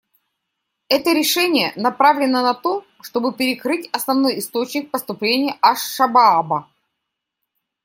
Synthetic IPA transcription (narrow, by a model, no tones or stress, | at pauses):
ɛt̪əɾʲɪʂɛnʲɪjənɐpɾavlʲɪnənɐt̪o̞ | ʂt̪o̞bɨpʲɪɾʲɪkɾɨtʲɐsnɐvno̞jɪst̪o̞t͡ɕnʲɪk̚pəst̪ʊplʲenʲɪjəʔɐʂːɐbaabə